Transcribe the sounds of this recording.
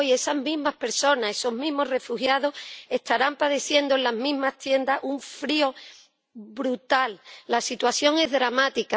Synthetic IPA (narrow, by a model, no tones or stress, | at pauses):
je̞saɦmĩɦmahpe̞ɾso̞nae̞so̞ɦmĩɦmo̞re̞fuhjaðo̞he̞ht̪aɾampaðeθje̞nd̪oelaɦmĩɦmaht̪je̞nd̪aʔuɱfɾio̞ | bɾut̪alːasit̪waθjo̞ŋe̞ɦðɾamat̪ika